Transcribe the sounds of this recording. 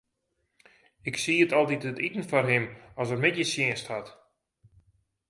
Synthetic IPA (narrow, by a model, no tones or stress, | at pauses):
ɪksiːətɔlˠtitətitən̩fɔrɦɪmɔs̬ərmɪtjəsjɪənsthɔt